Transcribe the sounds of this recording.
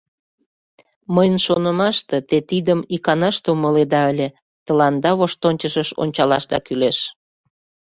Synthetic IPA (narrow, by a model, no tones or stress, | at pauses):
məjənʃonə̆mɑʃt̪e̽t̪et̪id̪əmikɑnɑʃt̪euməled̪ɑəlʲe | t̪ə̆lɑnd̪ɑβoʃt̪onʲt͡ɕəʃəʃo̰nʲt͡ɕɑlɑʃd̪ɑ̰kyleʃ